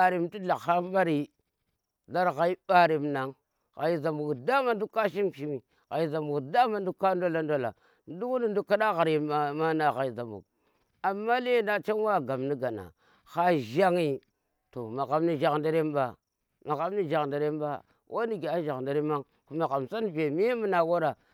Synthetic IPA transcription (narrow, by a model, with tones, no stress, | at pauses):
a˨ɾi˨mti˦ɬa˨xa˦m˦ba˦ɾi˨˦ | ɮa˦ɾɣa˦i˦ɓa˦ɾi˨mna˨ŋ | ɣa˨i˦za˨mbu˨ɡda˦ma˨n˦du˦kːa˦ʃ̬i˦mʃi˦mi˨ | ɣa˨i˦za˨mu˨ɡda˦ma˦˨n˦du˦kːa˦ndo˦la˦ndo˦la̰˨ | n˦du˦ku˦ni˨ndu˦kːa˦ɗa˦ɣa˨ɾe˨˦ma˦na˨ɣa˨i˨za˨mṵ˨ɡ | a˨mːa˦le˦˨nda˦t͡ʃa˦n˦wa˦˨ɡa˨mni˦ɡa˨na̰˨ | xa˦ʒa˦ŋi˦ | to˨ma˨ɣa˨mni˦ʒa˨knda˦ɾe˦mba˨ | ma˨ɣa˨˦m˦ni˦ʒa˨knda˨ɾe˦mba̰˦ | wʔa˦ni˦ɡe˨a˦ʒa˨knda˨ɾe˦ma˦ŋ | ku˦ma˨ɣa˨msa˦nve˨mi˦mu˦na˨wo˦ɾa˨